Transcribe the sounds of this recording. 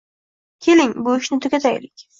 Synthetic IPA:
kʲʰelɪŋbʊɪʃnɪt̪ʰokʲat̪ʰajlɪkʲ

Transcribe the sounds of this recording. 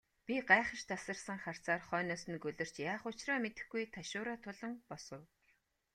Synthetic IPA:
pʲiɢaɛχə̆ʃt̪asə̆rsə̆ŋχar̥t͡saːrχœːnɔːs̆nkɵɮɵ̆r̥t͡ɕjaːχʊt͡ɕrɔːmet̪ɘ̆xɡujt̪ʰaʃʊːɾaːt̪ʰʊɮə̆ŋpɔsə̆w

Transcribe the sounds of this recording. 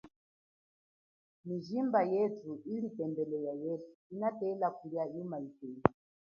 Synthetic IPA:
miʒimbajɛtʰuilipɛmbɛlɛjajɛsu̥inatɛlakʰuliaimaitɛːli

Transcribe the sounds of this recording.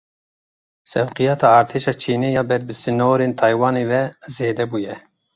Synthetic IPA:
sɛwqijɑːt̪ʰɑːɑːɾt̪ʰeːʃɑːt͡ʃʰiːneːjɑːbɛɾbɨsɨnoːɾeːnt̪ʰɑːjwɑːneːvɛzeːd̪ɛbuːjɛ

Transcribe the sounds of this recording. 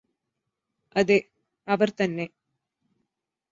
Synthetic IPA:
ɐðe | ɐʋɐrt̪ɐnːe

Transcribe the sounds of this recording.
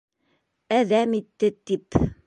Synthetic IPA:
æðæmit̪ːɘt̪ip

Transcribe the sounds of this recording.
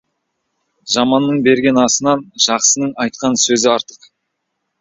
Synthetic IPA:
ʒɑmɑnːəɴbe̞ɾɡʲe̞nɑsənɑnʒ̥ɑqsənəɴɑjt̪̚qɑnsɵzɪɑɾt̪əq

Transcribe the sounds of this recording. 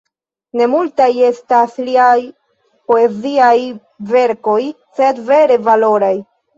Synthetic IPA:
ne̞multaje̞stasliaj | po̞e̞ziaj | ve̞ɾko̞j | se̞dve̞ɾe̞valo̞ɾaj

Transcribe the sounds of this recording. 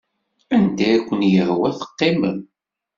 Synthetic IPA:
ænd̪æækʷːənjəʁwæθə̥qːɪməm

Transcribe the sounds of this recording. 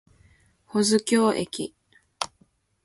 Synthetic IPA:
ho̞zɨkʲo̞ːʔḛkʲi

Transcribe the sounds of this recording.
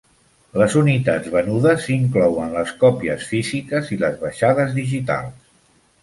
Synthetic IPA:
ləzunit̪add͡zβənuðəsiŋklɔwənləskɔpiəsfizikəziləzβəʃaðəzðiʒit̪a̰lˠs

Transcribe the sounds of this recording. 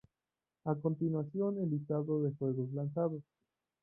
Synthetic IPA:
ako̞nt̪inwasjo̞nelist̪aðoðe̞xwe̞ɣoslansaðos

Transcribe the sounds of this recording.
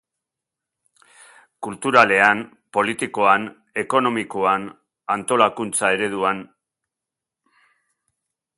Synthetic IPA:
kult̪uɾale̞an | po̞lit̪iko̞an | e̞ko̞no̞mikoan | ant̪o̞lakunt͡sae̞ɾe̞ð̞uan

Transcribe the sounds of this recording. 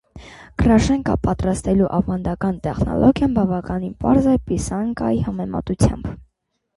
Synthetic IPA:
ɡ̥əɾɑʃɛŋkɑ̰pɑt̪ɾɑst̪ɛluʔɑvɑnd̪ɑkɑnt̪ɛχnɔ̰lʔɔɡjɑnbɑvɑkɑninpɑ̰ɾzɛpisɑŋkɑ̰jihɑmɛmɑ̰t̪ut͡sʰjɑ̰mb

